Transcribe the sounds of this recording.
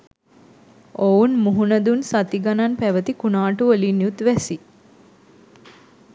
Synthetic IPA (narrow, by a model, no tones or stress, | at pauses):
ounmuɦunəd̪unsat̪iɡananpæʋət̪ikunaːʈuʋəlinːjut̪ʋæsi